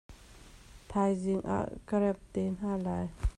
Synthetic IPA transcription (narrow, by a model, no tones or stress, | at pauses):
t̪ʰajziŋʔa̰ʔkɐɾɛp̚tenalaj